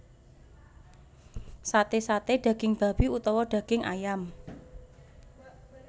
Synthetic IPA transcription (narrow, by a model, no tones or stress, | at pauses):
sat̪esat̪eɖ̥ä̤ɡ̥ɪŋb̥a̤b̥iut̪ɔwɔɖ̥ä̤ɡ̥ɪŋʔa̰jam